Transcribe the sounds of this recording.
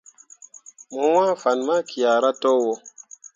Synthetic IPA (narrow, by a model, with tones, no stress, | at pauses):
mo˨wa˦fa˨nma˦ki˨a˨ɾa˦to˦wo˨˦